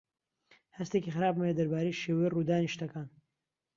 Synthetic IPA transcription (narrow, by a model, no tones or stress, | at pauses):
hɐst̪ekixɨɾaːbmɐjed̪ɐɾbaːɾejʃeːwɐjirud̪aːniʃt̪ɐkaːn